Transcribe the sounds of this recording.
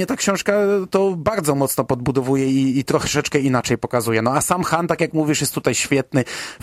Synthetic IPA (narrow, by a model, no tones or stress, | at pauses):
ɛt̪akɕɔ̃ʂkat̪ɔbaɾd̪zɔmɔt̪snɔpɔd̪̚bud̪ɔvujɛiːt̪ɾɔʂɛt͡ʂkɛinat͡ʂɛjpɔkazujɛnɔasamxant̪akjakmuvʲiʂjɛst̪ːut̪ajɕfʲjɛt̪nɘ